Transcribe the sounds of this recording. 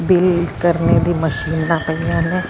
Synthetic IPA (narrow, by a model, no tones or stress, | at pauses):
bɪlkəɾned̪iməʃiːnːapɐiãnɛ